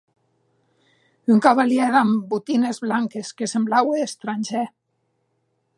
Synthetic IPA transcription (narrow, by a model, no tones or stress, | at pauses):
yŋkaβaljɛðambut̪inezβlaŋkeskesemblaweest̪ɾanʲʒɛ